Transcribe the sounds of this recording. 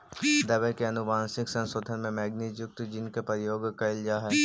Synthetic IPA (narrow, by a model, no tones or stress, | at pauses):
d̪ɐbɛkeɐnʊbaːnsɪksɐ̃nsoːd̪ʱənmẽmɛːɡnid͡ʒʊk̚t̪d͡ʒɪnkepɾəjoːɡkɐɪld͡ʒaːɦɛ